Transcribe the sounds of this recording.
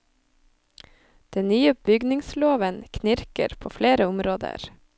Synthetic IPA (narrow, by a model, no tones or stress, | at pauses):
d̪̥ɛnnyːəb̥ʏɡnɪŋsloːʋənkʰnɪɾkə̰ɾpʰoːfleːɾəʊmɾoːd̪ə̰ɾ